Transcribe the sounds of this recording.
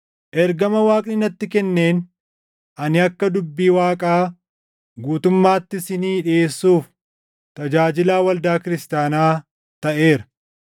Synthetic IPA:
ʔɛɾɡɐmɐwaːkʼnɪnɐt̪ːɪkɛnːe̞ːn | ʔɐnɪɐkːɐd̪ʊbːiːwaːkʼaː | ɡuːt̪ʊmːaːt̪ːɪsɪniːᶑeːsːuːf | t̪ɐd͡ʒaːd͡ʒɪlaːwɐld̪aːkɪɾɪst̪aːnaː | t̪ɐʔe̞ːɾɐ̥

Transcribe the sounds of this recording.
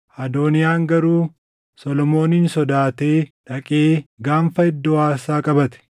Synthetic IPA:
ʔɐd̪o̞ːnɪjaːŋɡɐɾuː | sɔlɔmo̞ːniːnsɔd̪aːt̪e̞ːᶑɐkʼeːɡaːɱfɐɪd̪ːɔwaːsaːkʼɐbɐt̪ɛ̥

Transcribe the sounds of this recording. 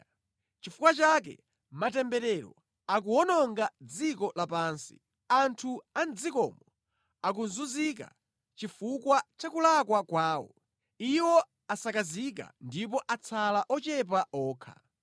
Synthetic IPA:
t͡ʃifukwat͡ʃak̬ɛ̰ | matɛmbɛɾɛɾɔ̰ | ak̬uɔnɔŋɡad͡zikɔlapaːnsḭ | antʰuand͡zikɔ̰mɔ | akunzuzik̬a̰ | t͡ʃifukwat͡ʃakulakwakwaːwɔ̰ | iwɔ | asakazik̬a̰ndip̬ɔʔat͡sʰalaʔɔt͡ʃɛp̬aɔːkʰa̰

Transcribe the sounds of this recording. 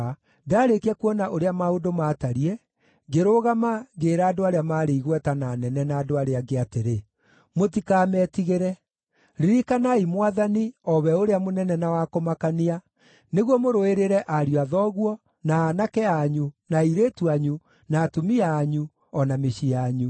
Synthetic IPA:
daːɾekiɛkuɔnaʔoɾeamaodomaːtaɾiɛ | ɡeɾoːɣamaɡeːɾaːdoaɾeamaːɾeiɣwɛtananɛnɛnaːdoaɾeaɡeateɾe | motikaːmɛtiɣeɾɛ | ɾiɾikanaimwaðaniɔβɛoɾeamonɛnɛnawakomakania | neɣwɔmoɾoeɾeɾɛʔaɾijoaðɔːɣwɔ | naːnakɛaːɲunaiɾetuaɲu | naːtomiaːɲu | ɔnameɕiaɲu

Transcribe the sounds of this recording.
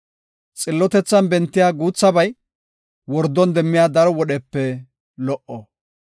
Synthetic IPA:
t͡sʼɪlːɔt̪ɛt͡sːɐnbɛnt̪ːɪjaːɡuːt͡sːɐbɐj | wɔɾd̪ːɔnd̪ɛmːɪjaːd̪ɐɾɔwɔɗɛpːɛ | lɔʔɔ

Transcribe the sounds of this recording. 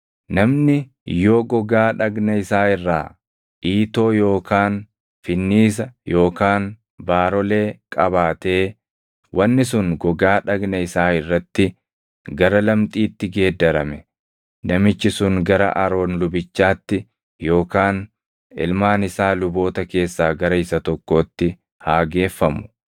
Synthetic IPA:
nɐmnɪ | joːɡɔɡaːᶑɐɡnɐɪsaːɪrːaː | ʔiːt̪o̞ːjo̞ːkaːn | fɪnːiːs̬ɐjo̞ːkaːn | baːɾɔle̞ːkʼɐbaːt̪e̞ː | wʔɐnːɪsʊŋɡɔɡaːᶑɐɡnɐɪsaːɪrːɐt̪ːɪ | ɡɐɾɐlɐmt̪ʼiːt̪ːɪɡe̞ːd̪ːɐɾɐmɛ | nɐmɪt͡ʃːɪsʊŋɡɐɾɐ̰ʔɐɾo̞ːnlʊbɪt͡ʃːaːt̪ːɪ | jo̞ːkaːn | ɪ̰lmaːnɪsaːlʊbo̞ːt̪ɐke̞ːsːaːɡɐɾɐɪsɐt̪ɔkːo̞ːt̪ːɪ | haːɡe̞ːfːɐmʊ̥

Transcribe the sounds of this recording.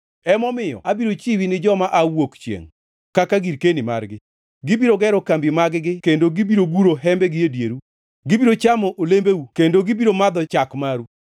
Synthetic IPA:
ɛmɔmɪjɔ̰abiɾot͡ʃiwinɪd͡ʒɔmaʔawokt͡ʃjḛŋ | kakaɡiɾkenɪma̰rɡɪ | ɡɪbiɾoɡɛɾɔkambjimaɡɡɪkendoɡɪbiɾoɡuɾoɦɛmbɛɡɪedjeɾu | ɡɪbiɾot͡ʃamɔʔolembeukendoɡɪbiɾomad̪ɔt͡ʃakmaɾu

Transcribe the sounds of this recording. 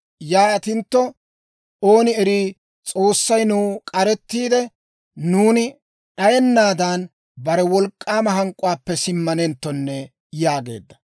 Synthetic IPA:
jaːɐt̪ɪnt̪ːɔ | o̞ːnɪɛɾiː | t͡sʼo̞ːsːɐjnuːkʼɐɾɛt̪ːiːd̪ɛ | nuːnɪ | ʔɐjɛnːaːd̪aːn | bɐɾɛwɔlkʼːaːmɐɦɐŋkʼːʊwaːpːɛsɪmːɐnɛnt̪ːɔnːɛ | jaːɡe̞̰ːd̪ːɐ̥

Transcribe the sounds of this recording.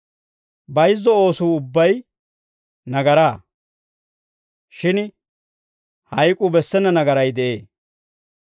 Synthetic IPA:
bɐjzːɔoːsuːʊbːɐj | nɐɡɐɾaː | ʃɪn | hɐjkʼʊbɛsːɛnːɐnɐɡɐɾɐjd̪ɛʔeː

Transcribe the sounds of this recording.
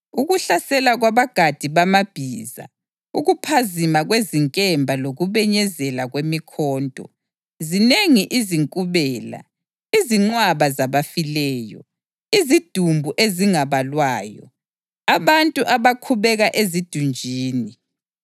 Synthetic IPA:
uɣuɬasɛlaɣwaβaɡ̥ʱad̥ʱiβamab̥ʱiːza̰ | uɣupʰazimaɣweziŋkʼɛmbʱaloɣuβɛɲɛzɛlaɣwemikʰɔːntʼɔ̰ | zineŋiʔiziŋkʼuβɛːla̰ | iziŋ͡ǀwaβazaβafilɛːjɔ̰ | izid̥ʱumbʱuʔeziŋaβalwaːjɔ̰ | aβantʼuʔaβakʰuβɛɣaʔezid̥ʱund͡ʒʱiːni

